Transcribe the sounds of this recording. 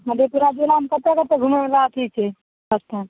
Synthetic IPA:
məd̪ʱepuɾad͡ʒelaɦəmkət̪ekət̪eɡʱumebelaət̪ʰit͡ʃʰɛ | əst̪ʰan

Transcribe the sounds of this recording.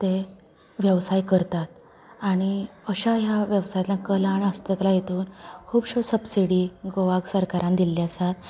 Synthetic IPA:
t̪e | ʋjəʋsajkəɾt̪at̪ | aɽ̃iəɕaɦjaʋjəʋsajat̪lãkəlaɽ̃iəst̪əklajet̪uːnkʰuːbɕosəbsiɽiɡoʋaɡsəɾkaɾãnd̪ilːiasat̪

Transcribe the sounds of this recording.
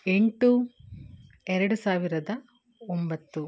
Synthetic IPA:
e̞ɳʈu | ɛɾɐɽusaːʋiɾɐd̪ɐ | ombɐt̪ːu

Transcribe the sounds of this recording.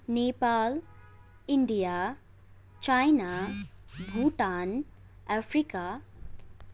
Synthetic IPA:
nepaːl | iɳɖija | t͡ʃajna | bʱuʈan | afʰɾika

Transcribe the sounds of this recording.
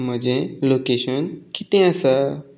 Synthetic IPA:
m̤əd͡ʑelokeɕənkit̪ẽəsə

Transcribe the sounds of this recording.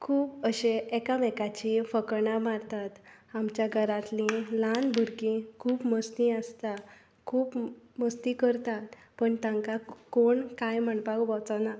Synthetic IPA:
kʰuːpəɕeɛkamɛkat͡ɕifəkəɳamaɾt̪at̪ | amt͡ɕjaɡʱəɾãt̪lĩlanbʱuɾkĩkʰuːpməst̪ĩəst̪a | kʰuːpməst̪ikəɾt̪at̪ | pəɳt̪ãŋkakoɳkajm̤əɳpakbɔt͡sana

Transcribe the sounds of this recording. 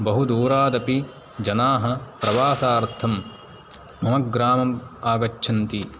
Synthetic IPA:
bɐɦud̪uːɾaːd̪ɐpi | d͡ʒɐnaːɦɐpɾɐʋaːsaːɾt̪ʰɐm | mɐmɐɡɡɾaːmɐmaːɡɐt͡ʃːʃʰɐnt̪i

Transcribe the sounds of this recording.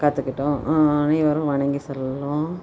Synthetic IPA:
kaːt̪ːɯkːɪʈːʊ̃ʔɐnɐʋɐɾʊ̃ʋɐɳɐŋɡisɐlːɐlʊ̃

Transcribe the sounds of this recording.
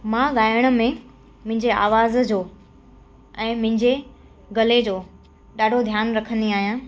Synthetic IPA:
mãːɠaːɪəɽ̃ʊ̆mẽ | mʊ̃ɦɪ̃ɲd͡ʑea̰ːʋaːzd͡ʑoː | ɛ̃ːmʊ̃ɦɪ̃ɲd͡ʑe | ɡɐled͡ʑoː | ɗaːɖʱod̪ʱjaːnɾɐkʰə̃nd̪iaːɦijãː

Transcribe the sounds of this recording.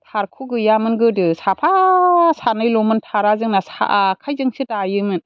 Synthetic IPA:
tʰaɾkʰuɡɯjamɯnɡɯdɯsapʰasanɯjlɔmɯntʰaɾazɯŋnasa̰ʔkʰajzɯŋsʰɯtajɯmɯn

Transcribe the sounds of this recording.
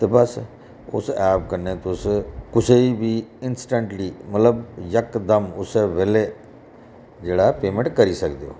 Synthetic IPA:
t̪eːbəs | ʊ̰sɛːpkəɾneːt̪ʊskʊseibiːɪnsʈə̃ɳʈliːmət̪ləbjəkd̪əmʊseːʋeːle | d͡ʒeːɽapeːmə̃ɳʈkəɾiːsəkd̪ejo̰ː

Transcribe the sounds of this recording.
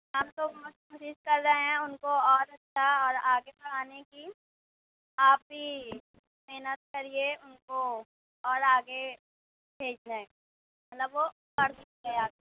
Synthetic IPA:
ɦɐmt̪omʊtkoːʃɪskɐɾːɐẽɦɛ̃ʊnkoɔːɾɐtːʃʰaɔːɾaːɡebɐkaːneki | aːp̚ɦi | mɛːnət̪̚kɐɾieʊnko | ɔːɾaːɡe | bʱeːd͡ʒd͡ʒaẽ | mɐt̪ləbʋo | kɐɾs | eaː

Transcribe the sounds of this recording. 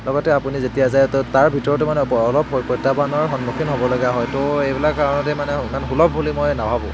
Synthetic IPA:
lɔɡɔtɛapunizetijazajttaɹbʱitɔɹɔt̬umanɛːlɔbɦɔjpɔjtabanɔɹxɔnmukʰinɦobɔlaɡaɦɔjtʊejbilakkaɹɔnɔtɛmanɛmanxulɔbːulimojnabʱabʊ̰̃

